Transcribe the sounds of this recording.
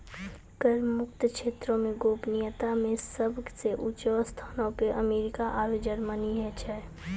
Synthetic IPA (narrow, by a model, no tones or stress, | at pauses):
kəɾmukt̪kʃʰet̪ɾõmeɡopnijət̪amesəbseʔut͡ʃʋəst̪ʰanɔpeʔəmeɾikaʔajod͡ʒəɾməniɦɛt͡ʃʰɛ